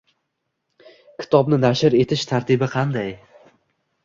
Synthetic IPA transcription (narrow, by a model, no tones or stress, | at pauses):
kʲʰɪ̥t̪ʰɒbnɪnaʃɪɾe̞t̪ʰɪʃt̪ʰaɾt̪ʰɪbɪqʰɑnd̪aj